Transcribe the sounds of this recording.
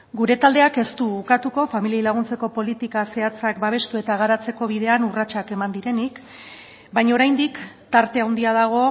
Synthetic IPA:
ɡuɾe̞t̪ald̪e̞ake̞st̪uukat̪uko̞familiajlaɣ̞unt͡se̞ko̞po̞lit̪ikase̞at͡sakbaβ̞e̞st̪ue̞t̪aɣaɾat͡se̞ko̞β̞iðe̞anurat͡ʃake̞mand̪iɾe̞nik | bajɲaoɾajnd̪ik | t̪aɾt̪e̞awnd̪iaðaɣ̞o̞

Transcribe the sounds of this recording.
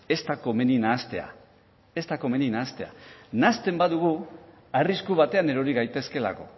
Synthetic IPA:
e̞st̪ako̞me̞ninaːst̪e̞a̰ | e̞st̪ako̞me̞ninaːst̪e̞a̰nast̪e̞mbaðuɣ̞u | ariskuβat̪e̞ane̞ɾo̞ɾiɣajt̪e̞ske̞la̰ko̞

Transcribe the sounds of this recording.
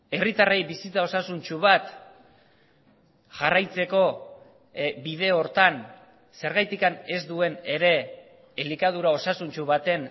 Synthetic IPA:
e̞rit̪arajbisit͡sao̞sasunt͡ʃuβat̪ | ʝarajt͡se̞ko̞ | bið̞e̞o̞ɾt̪an | se̞ɾɣajt̪ikane̞zd̪ue̞ne̞ɾe̞ː | likað̞uɾao̞sasunt͡ʃuβat̪e̞n

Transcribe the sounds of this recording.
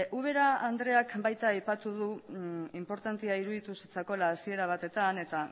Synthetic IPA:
uβ̞e̞ɾaand̪ɾe̞akbajt̪aːjpat̪uðuimpo̞ɾt̪ant̪iaiɾuðit̪usit͡sako̞laːsie̞ɾaβ̞at̪e̞t̪ane̞t̪a

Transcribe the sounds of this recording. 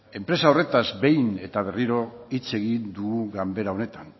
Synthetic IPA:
e̞mpɾe̞sao̞re̞t̪azbe̞jne̞t̪aβ̞e̞riɾo̞it͡se̞ɣind̪uuɣambe̞ɾao̞ne̞t̪an

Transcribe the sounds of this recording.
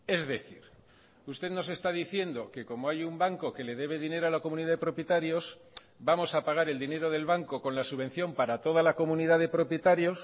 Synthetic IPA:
e̞zðe̞θḭɾ | ust̪e̞ðno̞se̞st̪aðiθje̞nd̪o̞ke̞ko̞moajumbaŋko̞ke̞le̞ðe̞β̞e̞ðine̞ɾoalako̞mũniðaðepɾo̞pjet̪aɾjo̞s | bamo̞sapaɣ̞aɾe̞ld̪ine̞ɾo̞ð̞e̞lβaŋko̞ko̞nlasuβ̞e̞n̟θjo̞mpaɾat̪o̞ðalako̞mũniðaðe̞pɾo̞pjet̪aɾjo̞s

